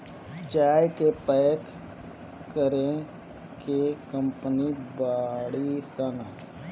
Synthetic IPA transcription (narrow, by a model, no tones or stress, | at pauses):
d͡ʒaːjkepɛːk | kəɾẽ | kekə̃mpnibaːɽisən